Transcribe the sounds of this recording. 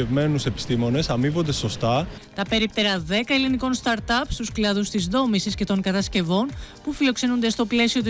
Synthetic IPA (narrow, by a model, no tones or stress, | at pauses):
evme̞nuse̞pi̥st̪imo̞ne̞sɐmivo̞nd̪e̞so̞st̪ɐ | t̪ɐpe̞ɾip̚t̪eɾɐðe̞kɐeliniko̞nst̪ɐɾt̪ɐpst̪usklɐðust̪izðo̞misisce̞t̪o̞ŋkɐt̪ɐsce̞vo̞npufilo̞kse̞nond̪e̞st̪o̞ple̞sio̞t̪i